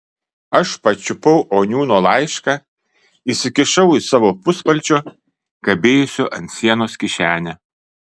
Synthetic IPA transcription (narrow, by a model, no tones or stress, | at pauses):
ɐʃpɐt͡ʃʲʊpɐʊʔoːnʲuːnoːlˠɑˑɪʃkɑː | isʲɪkʲɪʃɐʊisɑːʋoːpʊspɐlʲt͡ʃʲoː | kɐbʲeːjʊsʲoːʔɐnt̪ʲsʲiɛnoːskʲɪʃʲæːnʲɛ